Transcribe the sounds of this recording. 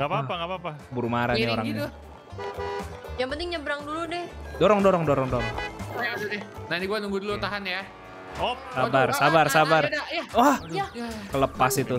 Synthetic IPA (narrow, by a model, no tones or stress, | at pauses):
ŋapaapaŋapapabuɾumaɾaɲaoɾaŋɲ | jaŋpənt̪ɪŋɲəbɾaŋduludɛhdoɾɔŋdɔɾɔŋdoɾɔŋdoɾɔŋjaasudɛnainiɡuanuŋɡudulut̪aɦanja | osabarsabarsabardajawahakələpasit̪u